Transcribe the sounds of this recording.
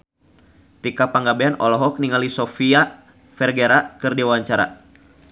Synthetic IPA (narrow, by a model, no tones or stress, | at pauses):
t̪ikapaŋɡabeanɔlɔɦɔk̚niŋalisɔfia | fɛrɡɛɾakɨrdiwwaɲt͡ʃaɾa̰